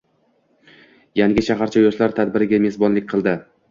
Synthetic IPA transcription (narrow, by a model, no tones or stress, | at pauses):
jaŋɡʲɪʃʰaɦaɾt͡ʃʰajoʃlaɾt̪ʰad̪bɪɾɪɡʲame̞sbɒnlɪkʲqʰɨlˠd̪ɪ